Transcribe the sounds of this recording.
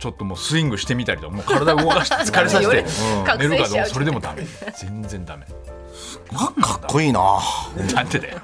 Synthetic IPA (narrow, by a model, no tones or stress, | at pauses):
t͡ɕo̞t̪ːo̞mo̞ːsɨĩŋɡɯ̟ɕi̥t̪e̞mʲit̪aɾʲit̪okamoːkʰaɾad̪aɯɡokaɕi̥t͡sɨ̥kaɾʲes̬aɕt̪ẽne̞ɾɯ̟kad̪eso̞ɾed̪e̞mod̪amed͡z̥ẽ̞nd͡zẽ̞nd̪ame̞ | kʰakːoiːna̰nãnt̪ed̪aj